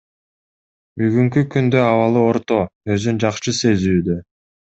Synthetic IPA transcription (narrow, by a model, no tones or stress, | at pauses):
byɡyŋkykynd̪ø̞ɑβɑlˠɯo̞ɾt̪o̞ø̞zynd͡ʒɑqʃɯse̞zyːd̪ø